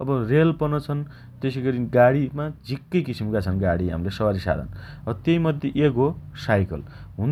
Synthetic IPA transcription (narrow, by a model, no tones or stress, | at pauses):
ʌbʌrelpʌnʌt͡sʰʌn | t̪esiɡʌɾiɡaɽimad͡zʱikːʌjkisimkat͡sʰʌnɡaɽiɦa̰mlesʌwaɾisa̰d̪ʱʌ̰nʌt̪jʌjmʌd̪ʱjeʔekosajkʌ̰lɦũn